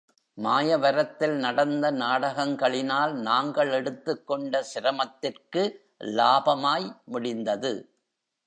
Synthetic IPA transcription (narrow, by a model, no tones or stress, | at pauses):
maːjɐʋɐɾɐt̪ːɪlnɐɽɐnd̪ɐnaːɽɐɣɐŋɡɐɭɪnaːlnaːŋɡɐɭɛɽɯt̪ːɯkːɔɳɖɐsɪɾɐmɐt̪ːɪrkɯ | laːbɐmaːjmʊɽɪnd̪ɐðɯ